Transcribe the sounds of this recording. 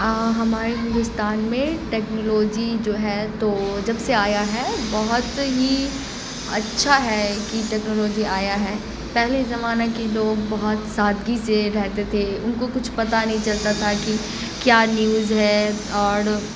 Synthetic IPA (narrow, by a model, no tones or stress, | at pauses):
ɦɐmaːɾeɦɪ̃nd̪ʊst̪aːnmẽʈɛːknoloːd͡ʒid͡ʒoːɦɛt̪od͡ʒɐbseaːjaɦɛbɔɦʊt̪ɦi | ɐtːʃʰaɦɛkiʈɛːknoːloːd͡ʒiaːjaɦɛː | pɛɦlezɐmaːnakiloːɡ̚bɐɦʊt̪saːd̪ɡiseɾɛɦt̪et̪ʰeʊnkokʊt͡ʃʰpɐt̪anɐɦĩt͡ʃɐlt̪at̪ʰaki | kjaːnjuːzɦɛː | ɔːɾ